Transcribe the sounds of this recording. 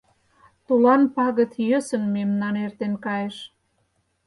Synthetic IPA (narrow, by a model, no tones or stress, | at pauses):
t̪ulɑnpɑɣə̆t̪jø̆sə̆nmemnɑnert̪enkɑjeʃ